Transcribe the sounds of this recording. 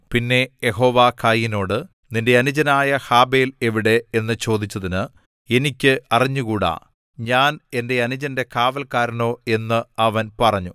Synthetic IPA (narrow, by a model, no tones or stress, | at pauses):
pinːe̞jeɦo̞ːʋaːkʰajːino̞ːɽɨ | ninde̞ɐnud͡ʑɐnaːjɐhaːbe̞ːleʋiɽe̞enːɨt͡ɕo̞ːd̪it͡ɕːɐðinɨ | e̞nikʲːɨɐriɲːukuːɽa̰ː | ɲaːne̞nde̞ɐnud͡ʑɐnde̞kaːʋɐlkaːɾɐno̞ːe̞nːɨɐʋɐnpɐrɐɲːu